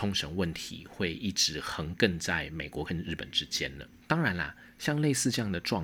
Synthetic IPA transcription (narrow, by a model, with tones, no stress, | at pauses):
o˥ŋʂə˧˥ŋwə˥˩nt̪ʰḭ˨˦xwe˥˧ɪʔi˥˩ʈ͡ʂɻ̩˧˥xə˧˥ŋkə˥˧ŋt͡sa˥˩ɪme˨˩ɪkwɔ˧˥kə˥˧nɻɻ̩˥˩pə̰˨˩nʈ͡ʂɻ̩˥t͡ɕjɛ˦˥nd̪ə̰˨t̪ɑ˥ŋɻa˧˥nɐ̰˨ | ɕjɑ˥˧ŋle˥˧ɪsɹ̩˥˧ʈ͡ʂɤ˥˧jɑ˥˩ŋd̪ə˩ʈ͡ʂwɑ̰˥˧